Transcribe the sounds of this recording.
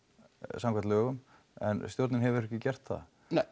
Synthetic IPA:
samkvaɾt̪lœːɣʏm | ɛ̰nst̪joɾt̪nɪnɦɛvɪɾɛhcɪcɛr̥t̪θa̰ð̰

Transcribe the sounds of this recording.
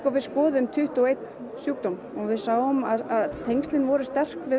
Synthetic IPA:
kɔvɪðskɔːðʏʏmt̪ʰʏht̪uwejt̪n | sjuːk̚t̪owm | ɔɣvɪðsaːwɔmaðaðt̪ʰejŋst̪ɪnvɔɾʏst̪ɛr̥kvɪ

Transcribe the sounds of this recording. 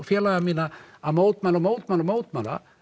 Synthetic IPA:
fjɛːlaɣamiːnaamoːwt̪malɔmoːwt̪malɔmoːwt̪mala̰

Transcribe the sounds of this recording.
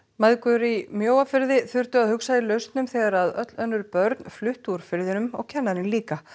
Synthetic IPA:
maðkʏɾimjoːwafɪɾðɪθʏr̥t̪ʏaðhʏksailœɥst̪nʏmθɛːɣaɾaðœ̰t̪lœnːʏɾpœɾt̪nflʏht̪uɾ̥fɪɾðɪnʏmɔ̰ɣcʰɛnːaɾɪnliːka

